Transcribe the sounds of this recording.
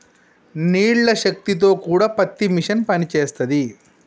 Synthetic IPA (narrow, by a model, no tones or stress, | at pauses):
niːɭlɐʃɐk̚t̪it̪̬o̞ːkuːɽaːpɐt̪ːimiʂɐnpɐnit͡ʃeːst̪ɐd̪i